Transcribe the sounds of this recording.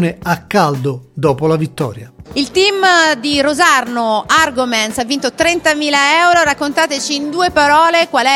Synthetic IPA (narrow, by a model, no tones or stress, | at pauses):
neakːald̪ʊd̪ɔːpolavit̪ːɔ̰ːɾjailt̪imd̪irozarnoarɡomɛnsavːint̪ot̪ɾɛnt̪amiːlaɛwɾoɾakːont̪aːt̪et͡ʃiːnd̪uːepaɾɔːlekwalɛ